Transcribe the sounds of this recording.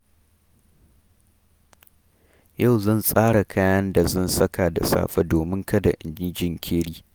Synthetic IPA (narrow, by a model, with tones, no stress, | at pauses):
ja˦˨wzɐ˦˨nsʼaː˦ɽa˨kʰaː˦jɐ˦nda˨zɐ˦nsɐ˦kaː˨da̰˨sa̰ː˦ɸɐ˦doː˨mɪ˦ŋkɐ˦da˨ʔɪ˨nd͡ʒɪ˦d͡ʒɪ˦˨ŋkʲʰeː˦ɽiː˦